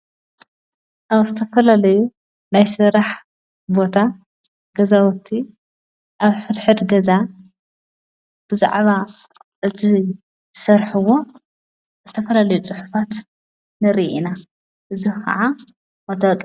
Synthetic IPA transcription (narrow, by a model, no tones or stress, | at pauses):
ʔaβzɨt̪ʰɐfɐlalɐju | najsɨɾaħ | bo̞t̪ʰa | ɡ̥ɐzawɔt̪ʰːi | ʔaβħɨd̪ħɨd̪ɡɐza | b̥ɨza̰ʕβa | ʔɨt̪ʰi | sɐɾħɨwo̞ | z̥ɨt̪ʰɐfɐlalɐjut͡sʼɨħu̥fat̪ | nɨɾiʔina | ʔɨzikʰɐ̰ʕa | wɐt̪ɐkʼ